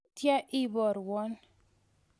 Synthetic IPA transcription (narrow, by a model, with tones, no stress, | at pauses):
tja˦ʔi˦bɔ˨ɾwɔ˦n